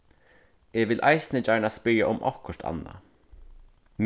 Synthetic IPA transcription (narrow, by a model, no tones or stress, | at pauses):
ɛʋɪlʔa̰jsnɪt͡ʃajnaspɪɾjaʔʊmʔɔ̰kʊʂt̪a̰nːa̰ | m